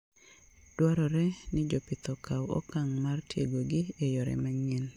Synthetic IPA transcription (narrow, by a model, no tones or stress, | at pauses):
d̥waɾɔɾɛnɪd͡ʒopɪt̪ɔkʰawɔ̰kaŋmartjḛɡoɡɪejɔɾɛ̰maŋɛn